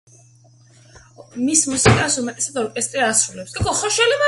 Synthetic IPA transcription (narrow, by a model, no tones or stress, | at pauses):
mismusikʼasumɛt̪ʼɛsat̪ɔɾkʼɛst̪ʼɾiasɾulɛpsɡʼɛkɔχɔʃɛlima